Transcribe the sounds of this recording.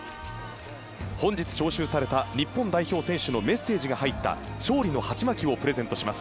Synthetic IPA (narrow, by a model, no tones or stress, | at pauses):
hõ̞ɲ̟d͡ʑit͡sɨ̥ɕo̞ːɕɨːsaɾe̞t̪aɲ̟ipːõ̞nd̪aiço̞ːsẽ̞ɰ̃ɕɨno̞me̞sːe̞ːʑiɡahait̪ːa̰ɕo̞ːɾʲino̞hat͡ɕimakʲiβo̞pɯ̟ɾe̞zẽ̞nt̪o̞ɕimasɨ̥